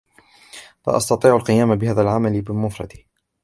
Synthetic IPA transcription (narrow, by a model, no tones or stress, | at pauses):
fa̰ʔɑ̰st̪ɑt̪ˤiːʕalqɨjaːmabɪhaːðalʕamalɪbɪmʊfɾˤɑ̰d̪ɪ